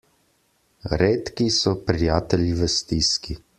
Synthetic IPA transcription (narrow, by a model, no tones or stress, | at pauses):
ɾeːt̪kisɔpɾijaːt̪ɛliʋəst̪iski